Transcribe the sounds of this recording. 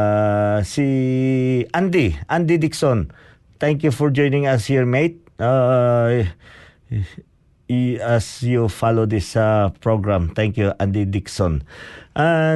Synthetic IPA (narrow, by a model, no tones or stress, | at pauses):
si | ʔãnd̪iʔãnd̪id̪iksɔ̃n | t̪ɛ̃ŋkjufɔɹd͡ʒɔ̃jnɪ̃ŋashiɹmet̪̚a | ɛsjufalod̪ɪsapɹoɡɹãmt̪ɛ̃ŋkjuʔãnd̪id̪iksɔ̃nʔa